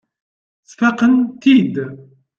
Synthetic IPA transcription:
θfæqənt̪id̪

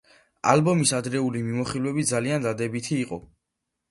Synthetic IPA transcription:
a̰lbɔmisad̪ɾɛulimimɔχilˠwɛbid̪zaliand̪ad̪ɛbit̪ʰiːqʼɔ̰

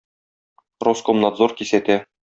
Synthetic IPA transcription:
roskomnad̪zorkisæt̪æ

